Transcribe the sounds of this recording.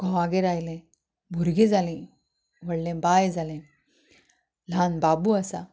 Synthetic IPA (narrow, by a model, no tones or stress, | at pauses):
ɡ̥ʱɔ̃aɡeɾajlẽ | bʱuɾɡẽd͡zʱalĩ | ʋəɽlẽbajd͡zʱalẽ | l̤anbabuəsa